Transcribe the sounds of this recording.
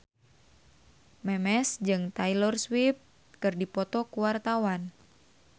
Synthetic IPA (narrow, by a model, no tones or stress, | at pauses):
mɛmɛsd͡ʒɨŋt̪ailɔrswip̚ | kɨrdipɔt̪ɔkuwart̪awan